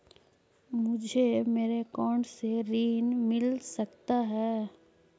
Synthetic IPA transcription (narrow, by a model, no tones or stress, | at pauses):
mʊd͡ʒʱemeːɾekɔːɳɖseɾiːnmɪlsɐkt̪aɦɛː